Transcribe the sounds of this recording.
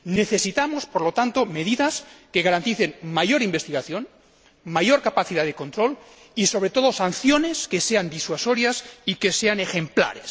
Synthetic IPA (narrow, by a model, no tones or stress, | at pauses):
ne̞θe̞sit̪amospoɾlo̞t̪ant̪ome̞ðiðaskeɣaɾant̪iθe̞nmaʝo̞ɾimbe̞st̪iɣaθjo̞n | majo̞ɾkapaθiðaðeko̞nt̪ɾo̞l | iso̞βɾe̞t̪o̞ðo̞san̟θjo̞ne̞skeseand̪iswaso̞ɾjasike̞se̞ane̞xe̞mpla̰ɾes